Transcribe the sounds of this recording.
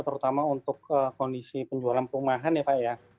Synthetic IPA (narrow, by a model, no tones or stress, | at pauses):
t̪əɾut̪amaunt̪ʊkəkɔndisipəɲd͡ʒualanpumaɦanepaʔja